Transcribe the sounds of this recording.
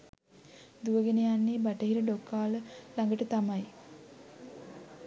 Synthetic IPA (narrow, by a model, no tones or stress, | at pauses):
d̪uʋəɡenəjanːeːbaʈəɦiɾəɖokːaːləlaŋɡəʈət̪amɐj